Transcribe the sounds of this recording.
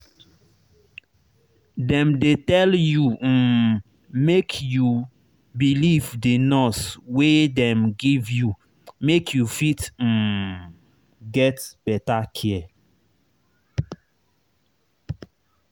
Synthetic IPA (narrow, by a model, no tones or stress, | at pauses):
dɛ̃mdetɛlju | mekʰju | bilivdenɔswedɛ̃mɡivju | mekʰjufit̩ | ɡɛtb̥ɛtakʰiɛ